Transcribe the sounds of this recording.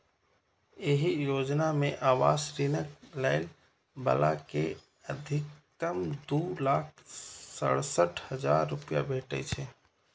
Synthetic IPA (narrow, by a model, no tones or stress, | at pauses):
eɦijod͡ʒnameʔaʋasɾinəkləɪl | bə̰la̰ke | əd̪ʱɪkː | əmd̪ulak̚ʰsəɽsəʈhəd͡ʒaɾːupija̰bʱeʈɛ̰t͡ʃʰɛ